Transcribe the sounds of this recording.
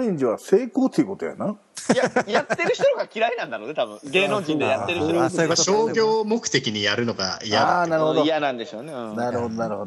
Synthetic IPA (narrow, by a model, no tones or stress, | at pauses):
ĩɲd͡ʑiβase̞ːko̞ːt̪ʰːejɯ̟ko̞t̪oja̰na | jajat̪ːeɾɯ̟çit̪oɾɡakʲiɾainãnd̪aɾoːnet̪abɯ̟̃ɡeːnõŋkĩnd̪ejat̪ːeɾɯ̟toɾɕoːɡʲo̞ːmo̞kɯ̟̥t̪e̞kʲiɲ̟ijaɾɯ̟no̞ɡa̰ijaanaɾɯhod̪oijanãnd̪e̞ɕo̞ːnẽnaɾɯho̞d̪onaɾɯ̟hod̪o